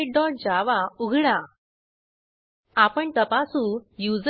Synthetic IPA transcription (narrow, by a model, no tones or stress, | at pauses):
ɖɔ̃ɳd͡ʑaʋauɡʱɽa | apəɳt̪əpasujud͡z